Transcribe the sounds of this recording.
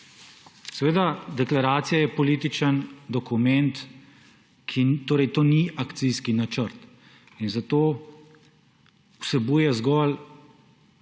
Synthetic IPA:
sɛʋeːd̪ad̪ɛklaɾaːt̪sijajɛpɔliːt̪it͡ʃənd̪ɔkumɛnt̪ | kʰit̪oːɾɛjt̪oːniakt̪sijskinat͡ʃəɾt̪ | inzat̪oː | usɛbuːjɛzɡɔl

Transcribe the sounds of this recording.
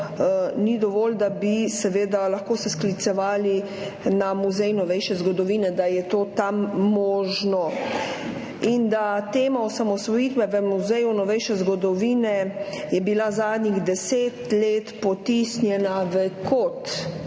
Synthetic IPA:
nid̪ɔʋɔːld̪abisɛʋeːd̪alaxkoːsɛsklit̪sɛʋaːli | namuzɛjnɔʋɛjʃɛzɡɔd̪ɔʋiːnɛd̪ajɛt̪oːt̪amːɔːʒnɔ | ind̪at̪eːmaɔsamɔsʋɔjiːt̪bɛʋəmuzɛjunɔʋɛjʃɛzɡɔd̪ɔʋiːnɛ | jɛbilazaːd̪niɣd̪ɛseːt̪leːt̪pɔt̪isnjɛnaʋəkot̪

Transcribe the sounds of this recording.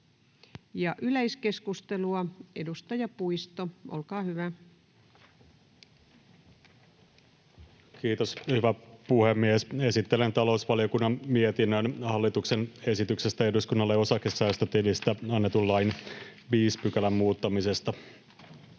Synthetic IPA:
jɑʔyleiske̞skust̪eluɑedust̪ɑjɑpuist̪oʔolkɑːhyʋæ | kiːt̪o̞shyʋæpuhemːiese̞sit̪ːelent̪ɑlo̞usʋɑlio̞kunːɑnmiet̪inːønhɑlːit̪ukse̞ne̞sit̪yksest̪æe̞duskunːɑlːeo̞sɑkːesæːst̪øt̪ilist̪æɑnːet̪ulːɑjn | ʋiːspykælæmmuːt̪ːɑmise̞st̪ɑ

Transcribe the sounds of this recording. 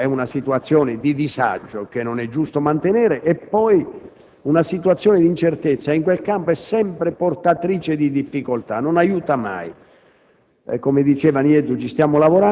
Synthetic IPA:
ɛunasit̪uat̪sːjɔːnɪd̪id̪iza̰d͡ʒːok̟enːonɛd͡ʒːust̪omant̪enɛːɾeʔɛpːɔj | unasit̪uat̪sːjɔːnɪd̪int͡ʃert̪et̪sːaiŋkwelkampoɛsːɛmpɾeport̪at̪ɾiːt͡ʃed̪id̪ifːikolt̪anonajuːt̪ama̰j | kɔmed̪it͡ʃɛːvanjɛd̪ːut͡ʃist̪jaːmolavoɾa

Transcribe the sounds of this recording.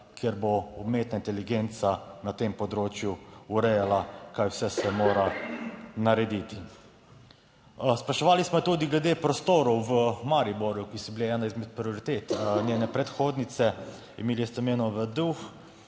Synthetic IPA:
kjɛɾboɔbmeːt̪naint̪ɛliɡeːnt̪sanat̪empɔd̪ɾoːt͡ʃjuuɾɛjalakajwsɛsɛmoːɾa | naɾɛd̪it̪i | spɾaʃɛʋaːlismɔjɛt̪uːd̪iɡlɛd̪eːpɾɔst̪oːɾɔwʋəmaɾiboɾjukisɔbileɛːnaizmɛt̪̚pɾioɾit̪eːt̪nʲjeːnɛpɾɛt̪xoːd̪nit̪sɛ | ḭmeːlist̪ɛmeːnɔʋəd̪ux

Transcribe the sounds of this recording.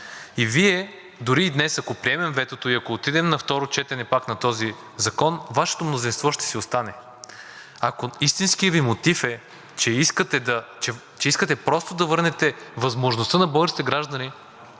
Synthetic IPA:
iviɛ | d̪ʊɾiːd̪nɛsɐkopɾiɛmɛmvɛt̪ot̪oiɐkoot̪id̪ɛmnɐft̪ɔɾot͡ʃɛt̪ɛnɛpaknɐt̪ɔzi | zɐkɔnvaʃɛ̥t̪omnozinst̪vɔʃt̪ɛ̥siost̪anɛ | ɐkoist̪inskijɐvimot̪ifɛ | t͡ʃɛiskət̪ɛd̪ɐt͡ʃɛ | t͡ʃɛiskət̪ɛpɾɔst̪od̪ɐvɤɾnɛt̪ɛvɐzmoʒnost̪ənɐbɔɡəɾsit̪ɛɡɾaʒd̪ɐni

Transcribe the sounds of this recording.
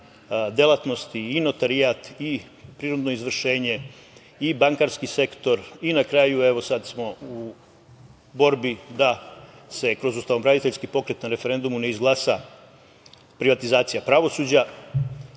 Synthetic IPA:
d̪elat̪no̞st̪iːno̞t̪aɾiat̪i | pɾiɾod̪no̞izʋr̩ʃe̞ːɲe̞ | ibaŋkaɾskise̞kt̪o̞ɾinakɾaːjue̞ʋo̞sad̪smo̞u | bo̞ɾbid̪a | se̞kɾo̞zust̪aʋomɾad̪it̪eʎʲskipo̞kɾe̞t̪naɾe̞fe̞ɾe̞nd̪umune̞izɡlˠaːsa | pɾiʋat̪izaːt̪sijapɾaʋo̞suːd͡ʑa

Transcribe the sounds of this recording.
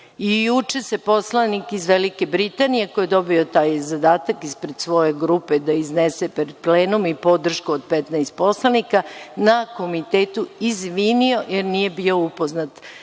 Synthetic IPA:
ijut͡ʃe̞sepo̞slanikizʋelike̞bɾit̪anije̞kojed̪o̞biot̪aːjzad̪aːt̪akispɾed̪sʋo̞je̞ɡɾuped̪aiznesepɾed̪̚pleːnumipo̞d̪r̩ʃkuod̪̚pɛt̪najst̪̚po̞slanikanako̞mit̪eːt̪uizʋiːnio̞jeɾnije̞bio̞upo̞znat̪

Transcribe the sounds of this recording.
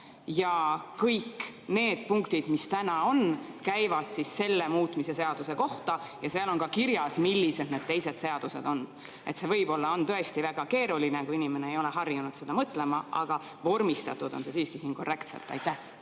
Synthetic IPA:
jɑkɤjkːne̞ːd̪̥̚puŋkt̪id̪̥mist̪ænɑo̞nkæjvɑd̪̥sisːe̞lːe̞muːt̪ˑmise̞se̞ɑd̪̥use̞ko̞ht̪ɑjɑseɑlo̞nkɑkiɾjɑsmilːise̞d̪̥ne̞d̪̥̚t̪e̞jse̞d̪̥se̞ɑd̪̥use̞̰d̪o̞n | ʔe̞t̪se̞vɤjb̥o̞lːɑo̞nt̪ø̞e̞st̪ivæɡ̥ɑke̞ːɾulinekuinime̞ne̞ejo̞le̞ɦɑrjunud̪̥sed̪ɑmɤt̪ːˑle̞mɑʔɑ̰ɡ̥ɑ | vo̞rmist̪ɑt̪ːˑud̪o̞̰nse̞siːskisiːnko̞rːe̞kt̪sḛlt̪ːˑɑ̰jt̪ːæh

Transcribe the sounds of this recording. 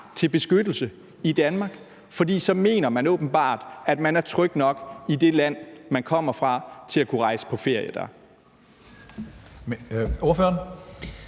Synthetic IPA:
t͡sʰe̝lb̥e̝sɡ̥ød̥l̩sə | id̥ænmɑ̈ːɡ̥ | fɒ̽dḭːsɒ̽me̝̰ːnɐmænɔb̥n̩b̥ɑ̰̈ːd̥æd̥mænæɐt͡sʰʁœɡ̥d̥nɒ̽ɡ̥ide̝læn̰mænkʰɒ̽m̰ɐfʁɑ̈t͡sʰe̝lækʰuʁɑ̈ɪsə̥pʰɒ̽fe̝ɐ̰jəd̥æɐ | oɐføːɐn

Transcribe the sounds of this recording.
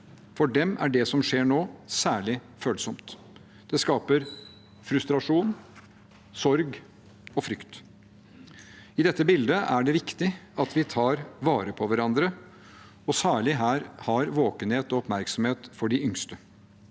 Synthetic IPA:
fɔɖɛmʔæ̰ɖɛsɔmʂeːɳoːsæːɭɪ | føːlsɔmt̪ | d̪̥ɛskɑːpəɾ | fɾʉst̪ɾɑʂuːn | sɔɾɡ | ɔfɾʏkt̪ | ɪd̪ɛt̪ːəbɪld̪əʔæɖɛʋɪkt̪ɪɑt̪ʋɪt̪ʰɑːɾʋɑːɾəpʰɔʋæɾɑnd̪ɾə | ɔsæːɭɪɦæːɾhɑɾʋoːkənheːt̪ɔɔpmæɾksɔmheːt̪fɔɖɪʔʏŋst̪ə

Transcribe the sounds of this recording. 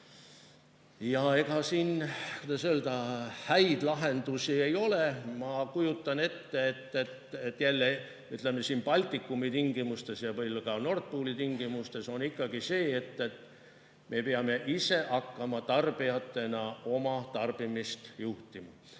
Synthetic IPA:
jɑe̞ɡɑsiːnkud̪ɑsøld̪̥ɑhæjd̪̥lɑɦe̞nd̪usiejo̞lemɑkujut̪ːˑɑne̞t̪ːeet̪ːet̪et̪ːjælːe | yt̪le̞me̞siːnbɑlʲt̪ːˑikːˑumit̪iŋɡ̥imust̪e̞sjɑvɤjlkɑno̞rt̪̚puːlit̪iŋɡ̥imust̪e̞so̞nikːɑɡise̞ːet̪ːet̪ | mʔe̞peɑme̞ʔise̞ʔɑkːɑmɑt̪ɑrb̥iɑt̪ːe̞nɑo̞mɑt̪ɑrb̥imist̪juht̪imɑ

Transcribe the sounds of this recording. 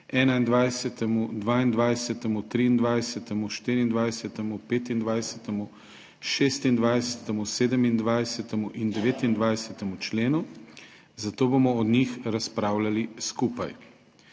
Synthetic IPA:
ɛːnaind̪ʋajsɛt̪ɛmud̪ʋaːind̪ʋajsɛt̪ɛmut̪ɾiːnd̪ʋajsɛt̪ɛmuʃt̪iːɾiind̪ʋajsɛt̪ɛmupeːt̪ind̪ʋajsɛt̪ɛmu | ʃeːst̪ind̪ʋajsɛt̪ɛmuseːd̪ɛmind̪ʋajsɛt̪ɛmuʔind̪ɛʋeːt̪ind̪ʋajsɛt̪ɛmut͡ʃleːnu | zat̪oːbomɔːd̪nixɾaspɾaːwlaliskuːpaj

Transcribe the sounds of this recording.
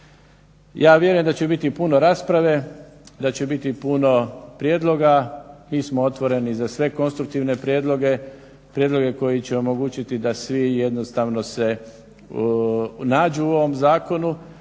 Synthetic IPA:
jaːʋje̞ɾujemd̪at͡ɕebit̪ipuno̞ɾaːspɾaʋe̞ | d̪at͡ɕebit̪ipuno̞pɾjeːd̪lˠo̞ɡamiːsmoot̪ʋo̞ɾe̞nizasʋe̞ko̞nst̪ɾuk̚t̪iʋne̞pɾje̞ːd̪lo̞ɡe̞ | pɾjed̪lo̞ɡe̞ko̞jit͡ɕeo̞mo̞ɡuːt͡ɕit̪id̪asʋije̞d̪no̞st̪aʋno̞se̞ | naːd͡ʒuuo̞ʋo̞mzaːko̞nu

